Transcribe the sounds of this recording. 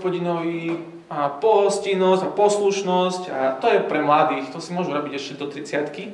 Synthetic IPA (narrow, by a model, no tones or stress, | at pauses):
pɔɟinɔʋi | apɔɦɔscinɔscapɔsluʃnɔscat̪ɔjɛpɾɛmlad̪iːxt̪ɔsimʊɔʒuɾɔbiɟɛʃcɛd̪ɔt̪ɾit͡sɪat̪ki